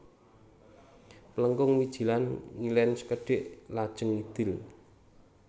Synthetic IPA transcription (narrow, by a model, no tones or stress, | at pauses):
pələŋkʊŋwid̥ʒ̥i̤lanŋilɛnsə̥kəɖ̥ɪʔlad̥ʒ̥əŋid̪̥ɪl